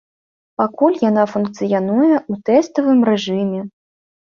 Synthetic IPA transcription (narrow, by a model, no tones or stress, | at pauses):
pakulʲjanafunk̚t̪sɨjanujɛʔut̪ɛst̪ɐvɨmɾɛʐɨmʲɛ